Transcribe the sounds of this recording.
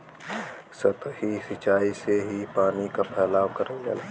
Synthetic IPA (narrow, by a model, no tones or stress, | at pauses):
sət̪hisɪt͡ʃaːiseɦipaːnikapʰɛːlaːwkɐɾə̃ɡa̰lː